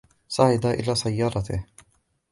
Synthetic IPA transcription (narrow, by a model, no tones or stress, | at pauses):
sˤaʕɪd̪aʔɪ̰laːsajːɑːɾˤɑt̪ɪ̰h